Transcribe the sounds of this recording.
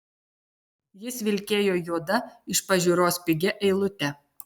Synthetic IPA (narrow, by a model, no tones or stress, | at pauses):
jɪsʋʲɪlʲkʲeːjoːjuɔd̪ɐɪʃpɐʒʲuɾoːspʲɪɡʲɛʔɛɪlˠʊt̪ʲɛ